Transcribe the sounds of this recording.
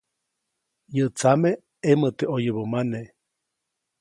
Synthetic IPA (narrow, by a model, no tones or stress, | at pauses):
jət͡same | emət̪eʔojəβəmane